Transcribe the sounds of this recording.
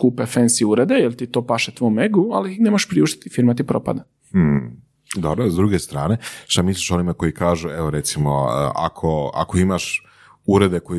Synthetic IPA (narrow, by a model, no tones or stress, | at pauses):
kuːpefensiuɾed̪ejelt̪it̪o̞ːpaʃet̪ʋojumeɡualinemoʃpɾiuʃt̪i̥t̪ifiɾmat̪̬ipɾo̰pa̰d̪a | m̩h̩ | d̪obɾozd̪ɾuːɡest̪ɾaːne̞ʃt̪amisliʃo̞nimako̞jikaːʒueʋo̞ɾe̞t̪simo̰ə̰a̰kʰoa̰koimaʃ | uɾe̞d̪e̞koi